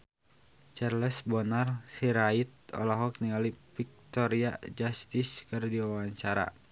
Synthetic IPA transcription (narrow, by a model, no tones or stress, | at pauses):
t͡ʃɛrlɛsbɔnarsiɾait̪̚ɔ̰laɦɔk̚niŋalipik̚t̪ɔɾia̰d͡ʒast̪iskɨrdiwawaɲt͡ʃaɾa̰